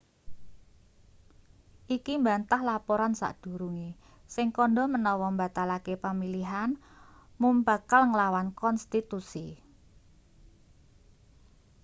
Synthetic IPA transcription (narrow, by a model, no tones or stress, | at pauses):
ʔikimbant̪ahlapɔɾansa̰ʔd̥ṳɾuŋi | sɪŋkɔnɖɔmənɔwɔmba̤t̪alakepamiliɦan | mumb̥a̤kalŋəlawankɔnst̪it̪usi